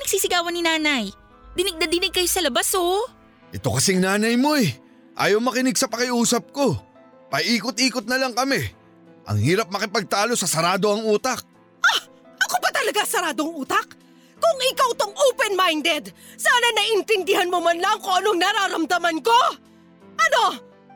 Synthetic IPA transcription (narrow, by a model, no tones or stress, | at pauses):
nɐɡ̥siːsɪɡaːwɐnːɪnaːnɐj | d̪ɪnɪɡ̚nɐd̪ɪnɪɡ̚kɐjosɐlɐbaso | ʔɛt̪o̞kɐsɛŋnaːnɐjmo̞ɛ | ʔa̰ːjɐwmɐkɪnɪɡsɐpɐkɪuːsɐp̚ko̞ | pɐʔiːkot̪̚ʔiːkot̪̚nɐlɐŋkɐmɛ | ʔɐ̰ŋhiːɾɐp̚mɐkɪpɐɡ̚t̪aːlo̞sɐsɐɾaːd̪o̞ɐŋuːt̪ɐk̚ | ʔa | ʔɐkobɐt̪ɐlɐɡasɐɾaːd̪oŋuːt̪ɐk | kʊŋʔɪkawt̪oŋʔoːpɛnmajnd̪ɛd̪saːnɐnɐʔɪnt̪ɪnd̪ɪhanmomɐnlɐŋkʊŋɐnoŋnɐɾaːɾɐmd̪ɐmɐnko̞ | ʔɐno̞